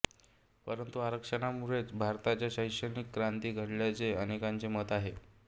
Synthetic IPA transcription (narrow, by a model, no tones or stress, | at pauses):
pəɾənt̪uaɾəkʂənamuɾet͡sbʱaɾt̪at͡ɕjaɕəjʂənikːɾant̪iːɡʱəɽljat͡seənekant͡semət̪aɦe